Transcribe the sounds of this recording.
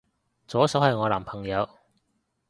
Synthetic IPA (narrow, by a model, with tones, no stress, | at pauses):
t͡sɔː˨˥sɐ˨˥wɐ˨jŋɔː˨˧laː˨˩mpʰɐ˨˩ŋjɐ˨˧w